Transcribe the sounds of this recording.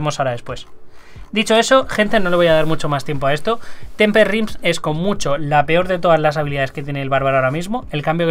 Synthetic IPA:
mo̞saoɾaðe̞spwe̞s | d̪it͡ʃo̞e̞so̞xe̞nt̪eno̞le̞βo̞jaðaɾmut͡ʃo̞mast̪je̞mpo̞ae̞st̪o̞t̪e̞mpeɾrimse̞sko̞mːut͡ʃo̞lape̞o̞ɾðe̞t̪o̞ðazlasaβ̞iliðaðeske̞t̪jene̞ːlβaɾβaɾoaoɾamizmo̞e̞lkambjo̞k

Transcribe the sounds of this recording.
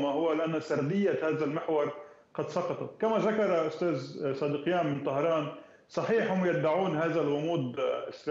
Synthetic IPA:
mahʊwalɪʔanːasɑɾˤd̪ɪjːahaːðalmɪħwɑɾˤ | qɑd̪sˤɑqɑt̪ˤat̪kamaðakɑɾˤɑʔʊst̪aːzsˤɑːd̪iqjaːmbɪnt̪ˤɑhɾˤɑːn | sˤɑħiːħhʊmjad̪ːaʕuːnhaːðalɣʊmuːd̪ʔɪsɾ

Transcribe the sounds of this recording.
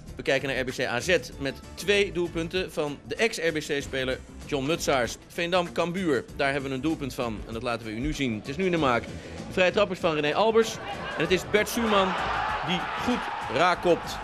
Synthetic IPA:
ʋəkɛjkənaːɹɛɹbesejʔaːzɛtmɛtː | ʋejdulˠpɵntəv̥ɑndəʔɛksɛɹbesejspejləɹ | d͡ʒɔnmɵtsaːɹsfɛjndɑmkɑmbyːɹdaːɹɦɛbəʋənəndulˠpɵntfɑnɛ̰ndɑtlaːtənʋəynyzintɪsnyɪndəmaːk | dəvrɛjətrɑpəɹsfɑnrənejʔɑlˠbəɹsɛnətɪzbɛɹtsymɑndiχutraːkɔp̚t

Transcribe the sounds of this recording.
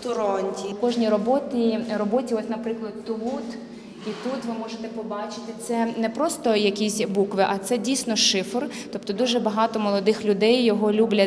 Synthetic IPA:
t̪ɔɾɔnʲtʲikɔʒnʲiɾɔbɔt̪irɔbɔtʲiɔsʲnɐpɾɪklˠɐd̪t̪ːut̪ | it̪ut̪ʋɪmɔʒet̪ɛpɔbɑt͡ʃɪ̥t̪ɪt̪sɛnɛpɾɔst̪ɔjɐkʲisʲbukʋɪʔɐt̪sɛdʲijsʲnɔʃɪfrt̪ɔpt̪ɔd̪uʒɛbɐɦɑt̪ɔmɔlˠɔd̪ɪxlʲʊd̪ɛjːɔɦɔlʲublʲɐ

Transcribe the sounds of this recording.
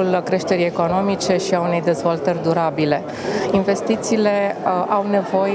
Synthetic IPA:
ulkɾe̞ʃt̪e̞ɾije̞ko̞no̞mit͡ʃe̞ʃiaune̞jd̪e̞zvolt̪ərʲd̪uɾabile̞ | inve̞st̪it̪siːle̞ʔawne̞vo̞j

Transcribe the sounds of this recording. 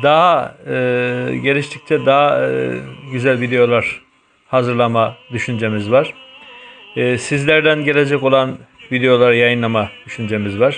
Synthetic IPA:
d̪aɦa | ɟe̞lʲiʃt̪ʰic̚t̪ʰɛd̪aɦa | ɟyzælʲvid̪e̞jo̞lˠaɾ̥ | hazɯɾlˠamad̪yʃynd͡ʒe̞mizvaɾ̥ | sizlʲæɾd̪ænɟe̞lʲe̞d͡ʒɛco̞lˠanvid̪ejo̞lˠaɾjajɯnlˠamad̪̥yʃynd͡ʒe̞mizvaɾ̥

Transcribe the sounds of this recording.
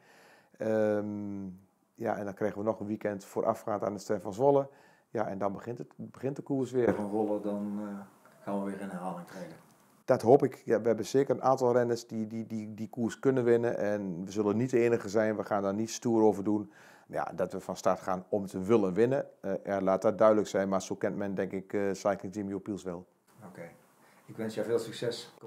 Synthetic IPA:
əm | ja̰ɛndɔnkrɛɣənʋənɔxənʋikɛntfoːɾʔa̰fxaːta̰ːnəstɛfɔnsʋolˠə | jaɛndɔnbəxɪntətbəxɪntdəkuəsʋɪəfɔnzolˠədɔn | kʰanʋəʋɪɾənəɦaːlɪŋtreːlə | d̥ɔtɦoːpɪkjaʋəhɛbəsɪːkərənʔaːntɔlˠrɛnəsdidididikuːskønənʋɪnəʔɛnʋəzøləniteːnəɣəzɛjnʋəxaːndɔnːitstuəɾoːvərdun | ja̰dɔtʋəfɔnstartxaːnɔmtʰəʋʏlənʋɪnəɛlaːt̚dɔt̚dœɥdələksɛjnmarsoːkɛntmɛndɛŋkɪksajklɪŋtimjopilˠsʋɛlˠ | okʰeː | ɪkʋɛnsjaveːlˠsyksɛs

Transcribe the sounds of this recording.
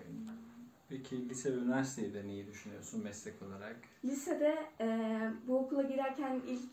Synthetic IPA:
pʰecʰilʲisɛbynyvæɾsi̥t̪ʰejid̪ɛnejid̪yʃynyjoɾsunmɛslʲɛkʰo̞lˠaɾaklʲised̪ɛ | buokʰulˠaɟiɾæɾcʰænilʲc

